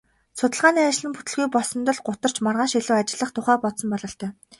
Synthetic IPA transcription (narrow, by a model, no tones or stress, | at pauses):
sʊt̪ə̆ɮʁaːniːat͡ɕɪ̆ɮɘ̆mput̪ɘ̆ɮɣujpɔsɞ̆nt̪ə̆ɮɢʊt̪ə̆r̥t͡ɕmarʁaːʃiɮuːat͡ɕɪ̆ɮə̆χt̪ʰʊχæːpɔt̪sɞ̆mpɔɮɞ̆ɬt̪ʰœː